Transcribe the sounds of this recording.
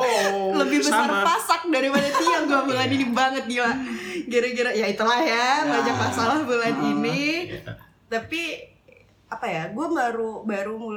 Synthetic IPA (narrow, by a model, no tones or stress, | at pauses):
ləbɪhbəsarpasak̚daɾipadat̪iaɡuaməŋaninibaŋət̪̚ɡilaɡiɾaɡiɾajait̪əlahjabaɲd͡ʒapasahbəlanini | t̪api | apajaɡuamaɾubaɾumu